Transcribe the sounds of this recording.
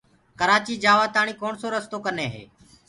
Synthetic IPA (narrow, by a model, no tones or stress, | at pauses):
kəɾaːt͡ʃiːd͡ʒaːʋaːt̪aːɳ̃iːkoːɳsoːɾəst̪oːkəneːɦḛː